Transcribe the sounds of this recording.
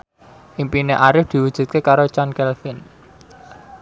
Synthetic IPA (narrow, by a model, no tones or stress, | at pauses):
ʔimpineʔaɾɪfd̪̥i̤wud̥ʒ̥ṳt̪̚kekaɾot͡ʃankɛlfɪn